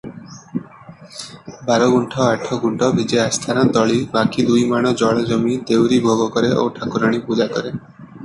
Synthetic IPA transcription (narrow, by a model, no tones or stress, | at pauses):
bʱaɾoɡuɳʈʰɔaʈʰːɔɡuɳʈʰɔbʱid͡ʒeast̪ʰanat̪ɔɭibakid̪ujmaɽ̃ɔd͡ʑɔɭɔd͡ʑomit̪ewɾibʱoɡɔkɔɾeʔo̰wʈʰakuɾaɽ̃ipud͡ʑakɔɾe